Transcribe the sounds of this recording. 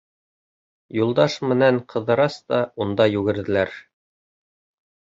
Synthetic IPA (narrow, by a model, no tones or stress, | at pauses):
julˠd̪ɑʃmɘ̆næŋqʰɤ̆ðɤ̆ɾɑst̪ɑund̪ɑjʉɡɘ̆ɾðɘ̆læɾ